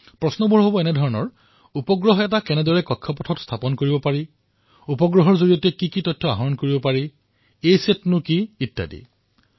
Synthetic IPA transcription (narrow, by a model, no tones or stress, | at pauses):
pɹɔsnɔbʱuɦobɔɛnɛdʱɔɹɔnɔ̰ɹ | upɔɡɹɔɦɔɛt̬akɛnɛdɔɹɛkɔkʰːɔpɔtʰɔtstʰapɔnkoɹibɔpaɹi | upɔɡɹɔɦɔɹzoɹijɔtuɛkikitɔtʰːɔa̰ɦɔɔnkoɹibɔpaɹi | ejsetnʊkiːtːa̰dḭ